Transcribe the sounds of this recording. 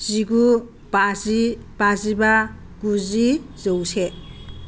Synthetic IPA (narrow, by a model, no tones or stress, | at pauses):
ziɡu | bazib̥aziba | ɡuzizowse